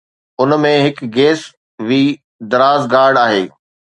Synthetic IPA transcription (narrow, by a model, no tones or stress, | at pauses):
ʊnmẽɦɪkɡeːs | ʋiː | d̪ɐɾaːzɡaːɾɖaːɦḛː